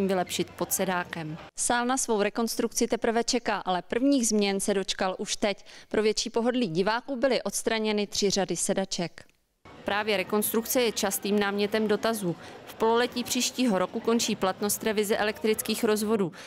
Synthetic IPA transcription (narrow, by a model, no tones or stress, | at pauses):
mvɪlɛpʃɪt̪̚po̞t̪sɛdaːkɛmsaːlnasvo̞wɾɛko̞nst̪ɾukt͡sɪt̪ɛpr̩vɛt͡ʃɛkaːʔalɛpr̩vɲiːɣzmɲɛnsɛdo̞t͡ʃkalʔuʃt̪ɛcpɾo̞vjɛt͡ʃiːpo̞ɦo̞dliːɟɪvaːkuːbɪlɪʔo̞t̪st̪ɾaɲɛnɪt̪r̝̥ɪr̝adɪsɛdat͡ʃɛk | pɾʔaːvjɛɾɛko̞nst̪ɾukt͡sɛjɛt͡ʃast̪iːmnaːmɲɛt̪ɛmdo̞t̪azuːfpo̞lolɛciːpr̝̥iːʃciːɦo̞ɾo̞kuko̞nt͡ʃiːplat̪no̞st̪ɾɛvɪzɛʔɛlɛkt̪ɾɪt͡skiːxɾo̞zvo̞duː